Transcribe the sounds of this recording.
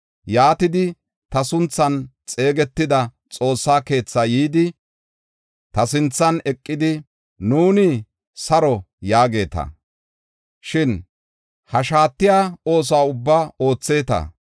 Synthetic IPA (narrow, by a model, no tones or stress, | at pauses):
jaːt̪ɪd̪ɪ | t̪ɐsʊnt͡sːɐnt͡sʼe̞ːɡɛt̪ːɪd̪ɐ | t͡sʼo̞ːsːaːke̞ːt͡sːɐjiːd̪ɪ | t̪ɐsɪnt͡sːɐnɛkʼːɪd̪ɪ | nuːnɪ | sɐɾɔ | jaːɡe̞ːt̪ɐ̰ | ʃɪn | hɐʃaːt̪ːɪjaːo̞ːs̬aːʊbːao̞ːt͡sːe̞ːt̪ɐ̰